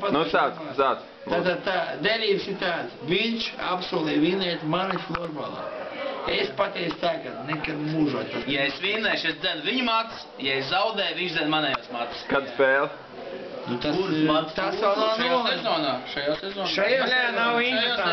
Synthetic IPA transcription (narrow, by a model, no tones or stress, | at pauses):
pat̪nut̪aːst̪aːd̪s | t̪at̪ad̪̚t̪aːd̪eɾʲiːbsiɾt̪aːt̪sviɲʲʃa̰psuɔlˠɛjʋiːnɛːt̪maniflˠɔɾba̰lˠa̰ːespat̪ʲɛːst̪aɡad̪nɛkad̪muːʒuɔt̪̚pajaesviːnɛjʃesd̪ʲɛnʊviɲumat̪s | jaeszawd̪ɛjʋinʒd̪zʲɛnmanɛjasmat̪skad̪spɛːlˠ | nut̪asumat̪st̪asawnanaɛzoːnaːʃajaːsɛzɔːʃajaaːnawinːa